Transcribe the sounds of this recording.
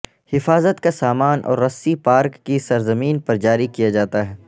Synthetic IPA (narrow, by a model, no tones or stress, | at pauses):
hɪfaːzət̪kasaːmaːnʔɔ̰ːɾːɐsːipaːɾkːisɐɾzɐmiːnpɐɾd͡ʒaːɾikijad͡ʒaːt̪aɦɛː